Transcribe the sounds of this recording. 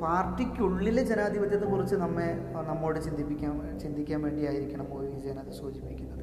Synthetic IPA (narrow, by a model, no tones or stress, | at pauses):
paːrʈːikʲːuɭːiled͡ʑe̞naːd̪ʱibɐt̪jenːɨkurit͡ɕːɨnɐmːe̞nɐmːo̞ːɽet͡ɕind̪ʱipːikʲːaːn | t͡ɕind̪ʱikʲːaːnʋe̞ːɳɖijaːjiɾikʲːuɳɐmoːjid͡ʑenaːd̪ʱisoːd͡ʑipːikʲːunːɐðɨ